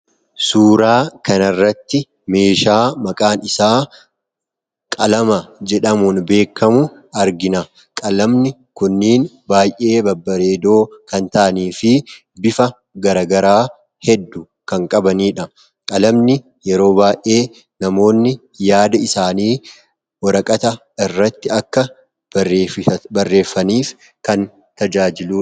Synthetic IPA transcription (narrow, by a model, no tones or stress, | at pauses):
suːɾaːkɐnɐrːɐt̪ːɪ | me̞ːʃaːmɐkʼaːnɪsaː | kʼɐlɐmɐd͡ʒɛᶑɐmunbe̞ːkːɐmʊ | ɐɾɡɪnɐ | kʼɐlɐmnɪ | kʊnːiːnbaːjʔe̞ːbɐbːɐɾe̞ːd̪o̞ːkɐnt̪ɐʔɐniːfɪ | bɪfɐ | ɡɐɾɐɡɐɾaː | hɛd̪ːʊ | kɐŋkʼɐbɐniːᶑɐ | kʼɐlɐmnɪ | jɛɾo̞ːbaːjʔe̞ː | nɐmo̞ːnːɪ | jaːd̪ɐɪsaːniː | wɔɾɐkʼɐt̪ɐ | ɪrːɐt̪ːɪɐkːɐ | bɐrːe̞ːfːɐniːf | kɐn | t̪ɐd͡ʒaːd͡ʒɪluː